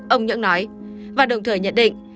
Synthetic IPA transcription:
ʔə˧wŋ͡mɲɨ̰˧˥ŋnɔ˨˦j | vaː˨˩ɗə˨˩wŋ͡mt̪ʰəː˧˩jɲə̰˧˥nɗḭ˧˨ŋ̟

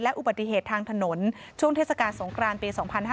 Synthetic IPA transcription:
lɛ˦˥ʔu˨˩baː˨˩i˧˩ɦeː˨˩t̪ʰːaː˧ŋt̪ʰa˧no˩˦nt͡ɕʰu˥˩əŋt̪ʰeː˥˩t̚sa˨˧kaː˧nso˩˦ŋkʰɾaː˧npiː˧sɔː˩˦ŋpʰa˧nɦaː˥

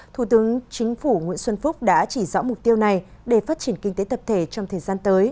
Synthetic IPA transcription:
t̪ʰu˧˩t̪ɨ˨˦əŋt͡ɕï˨˦ŋ̟fu˧˩ŋwḭ˧˥ənswə˧nfʊ˦˥k͡p̚ɗa̰ː˧˥t͡ɕi˧˩zɔ̰˧˥mʊ˨˩k͡p̚t̪i˧əwna˨˩jɗe˧˩faː˦˥t̚t͡ɕi˧˩ənkï˧ŋ̟t̪e˨˦t̪ʰə˨˩p̚t̪ʰe˧˩t͡ɕɔ˧wŋ͡mt̪ʰəː˨˩jzaː˧nt̪əː˨˦j

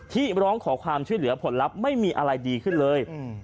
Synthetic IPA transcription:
t̪ʰiː˥˩ɾɔː˦˥ŋkʰɔː˩˦kʰwaː˧mt͡ɕʰu˥˩jlɯ˩˦ɐpʰo˩˦nla˦˥p̚ma˥˩jmiː˧ʔa˧ɾa˧jdiː˧kʰɯ˥˩nlɤː˧j

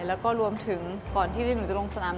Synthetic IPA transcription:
lɛː˦˥wkɔː˥˩ɾu˧əmt̪ʰɯ˩˦ŋkɔː˨˩nt̪ʰiː˥˩dnuː˨˩˦t͡ɕa˧˩lo˧ŋsa˧naː˩˦m

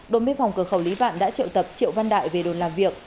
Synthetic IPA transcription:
ɗo˨˩nɓe˧nfɔ˨˩wŋ͡mkɨ˨˧˩əxə˧˩wli˨˦ɓa̰ː˧˨nɗa̰ː˧˥t͡ɕḭ˧ə˨wt̪ə˨˩p̚t͡ɕḭ˧˨əwva˧nɗa̰ː˧˨jve˨˩ɗo˨˩nlaː˨˩mvi˨˩ək̚

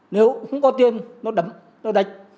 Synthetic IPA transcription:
ne˨˦wxə˧wŋ͡mkɔ˨˦t̪i˧ənnɔ˨˧˦ɗə˨˦m | nɔ˨˧ɗa˨˦jk̚

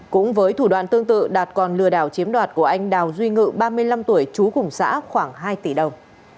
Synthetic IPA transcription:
kʊ̰˧˥ŋ͡mvəː˨˦jt̪ʰu˧˩ɗwa̰ː˧˨nt̪ɨ˧əŋt̪ɨ̰˧˨ɗaː˨˩t̚kɔ˨˩nlɨ˧˩əɗaː˧˩wt͡ɕi˨˦əmɗwaː˨˩t̚ku˧˩əʔa˧jŋ̟ɗaː˨˩wzwi˧ŋɨ̰˧˨ɓaː˧mɨ˧əjla˧mt̪u˧˩əjt͡ɕu˨˦kʊ˨˧˩ŋ͡msa̰ː˧˥xwaː˧˩ŋɦaː˧jt̪i˧˩ɗə˨˩wŋ͡m

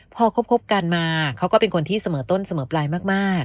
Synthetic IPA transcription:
pʰɔː˧kʰo˦˥p̚kʰo˦˥p̚ka˧nmaː˧kʰa˦˥wkɔː˥˩pe˧nkʰo˧nt̪ʰiː˥˩sa˧mɤː˩˦t̪o˥˩nsa˧mɤː˩˦plaː˧jmaː˥˩k̚maː˥˩k̚

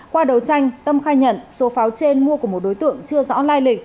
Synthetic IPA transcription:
kwaː˧ɗə˨˩wt͡ɕa˧jŋ̟t̪ə˧mxaː˧jɲə̰˧˨nso˨˦faː˨˦wt͡ɕe˧nmu˧əku˧˩əmo˨˩t̚ɗo˨˦jt̪ɨ̰˧˨əŋt͡ɕɨ˧əzɔ̰˧˥laː˧jlï˨˩k̟̚

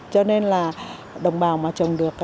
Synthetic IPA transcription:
t͡ɕɔ˧ne˧nlaː˨˩ | ɗə˨˩wŋ͡mɓaː˨˩wmaː˨˩t͡ɕə˨˩wŋ͡mɗɨ˨˩ək̚

